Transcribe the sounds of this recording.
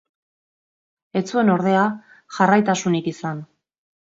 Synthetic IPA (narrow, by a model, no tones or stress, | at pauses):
e̞t͡sue̞no̞ɾð̞e̞a | ʝarajt̪asunikisan